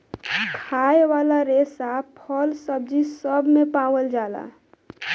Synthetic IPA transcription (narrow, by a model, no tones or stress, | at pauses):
kʰaeʋalaɾesapʰəlsəb̚d͡ʒʱisəbʱmepãwəld͡ʒala̰